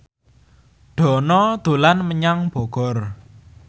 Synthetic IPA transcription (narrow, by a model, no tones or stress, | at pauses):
ɖ̥ɔ̤nɔd̪̥o̤lanməɲaŋb̥ɔ̤ɡ̥ɔ̤r